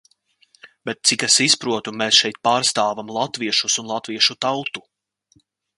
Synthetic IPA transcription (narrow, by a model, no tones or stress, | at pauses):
bɛt̪̚t̪sikɛsispɾuɔt̪umeːsʃɛjt̪̚paːɾst̪aːvamlˠat̪viɛʃusunlˠat̪viɛʃut̪awt̪u̥